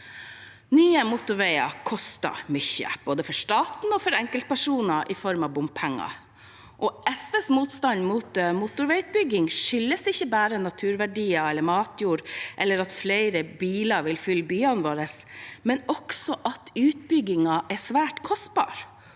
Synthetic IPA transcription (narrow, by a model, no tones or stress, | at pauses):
nyːəmʊt̪ʊɾʋɛɪɑ̰kʰɔst̪ɑ̰mʏçːə̰b̥oːd̪əfɔʂt̪ɑːt̪n̩ɔfɔɾɛŋkəlt̪̚pʰæʂuːnɑʔɪfɔɾmɑʋbʊmpʰɛŋːɑ̰ | ʔɔʔɛsʋeːsmuːt̪st̪ɑnmuːt̪muːt̪ʊɾʋɛɪt̪̚bʏɡɪŋʂʏlːəsɪçəbæːɾənɑt̪ʰʉːɾʋæɖiːɑɛlːəɾmɑːt̪ʰjuːɾʔɛlːəɾɑt̪fleɪɾəbiːlɑʋɪlfʏlbyːɑnʋoːɾəsmɛnɔksɔʔɑt̪ʉːt̪̚bʏɡɪŋɑʔɛsʋæːʈkʰɔst̪̚bɑ̰ːɾ